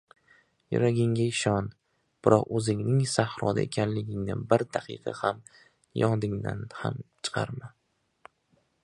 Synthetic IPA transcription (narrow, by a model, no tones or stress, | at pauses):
jʊ̰ɾaɡʲɪŋɡʲaɪʃɒn | b̥ɪɾɒqɵzɪŋnɪŋsahɾɒd̪a̰ḛkʲʰanlɪɡʲɪŋnɪbɪɾd̪aqʰɨ̰qʰɑ̰ham | jɒd̪ɪŋd̪a̰nha̰mt͡ʃʰɨ̥qʰɑ̰ɾma